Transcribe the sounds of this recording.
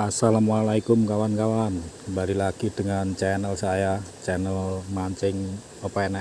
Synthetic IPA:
asalamalaikumkawankawanbaɾilaɡ̥id̥əŋant͡ʃɛnəlsajat͡ʃɛnəlmaɲt͡ʃɪŋ | opaɛna

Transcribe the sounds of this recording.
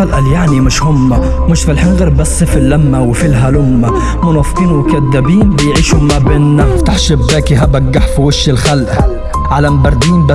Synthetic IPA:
alʔaljaʕnimɪʃhʊmːa | mɪʃfɪlħɪnɣɑɾˤbasːfilːamːawɪfilɦalʊmːa | mʊnɑːfqiːnwʊkad̪ːabiːnbɪjʕiːʃhʊmːabɪnːaft̪aħʃɪbːaːkiɦabaɡːaħfiwɪʃːɪlxalʔa | ʕalambɑɾˤd̪iːmba

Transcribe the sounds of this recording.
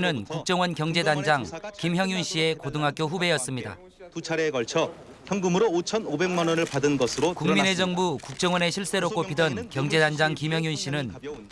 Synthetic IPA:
nɯnkuk̚t͡ɕ͈ʌŋwʌnkjʌŋd͡ʑe̞dand͡ʑaŋkimçjʌŋjunɕ͈ie̞kodɯŋɦak͈joɸube̞jʌs͈ɯmɲida̰ | tut͡ɕʰaɾeːkʌɭt͡ɕʰʌ | çjʌŋɡɯmɯɾoːt͡ɕʰʌnobe̞ŋmanwʌnɯɭpadɯnɡʌsʰɯɾokuŋmine̞d͡ʑʌŋbukuk̚t͡ɕ͈ʌŋwʌne̞ɕʰiɭs͈e̞ɾok͈opʰidʌnkjʌŋd͡ʑe̞dand͡ʑaŋkimjʌŋjunɕ͈ʰinɯn

